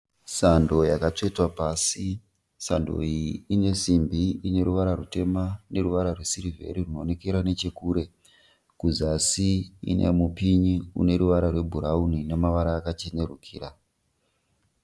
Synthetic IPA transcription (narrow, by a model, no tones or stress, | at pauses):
sando̞jakat͡ʂetwapaːsi | sando̞̰iːne̞simbiine̞ɾuʋaɾarute̞mane̞ɾuʋaɾarwe̞siɾivʱe̞̰ɾirunoːnekeɾane̞t͡ʃe̞kuːɾe̞ | kuzasiḭnḛmupiɲiṵne̞ɾuʋaɾarwe̞bʱuɾaunine̞maʋaɾaːkat͡ʃene̞rukʰiːɾa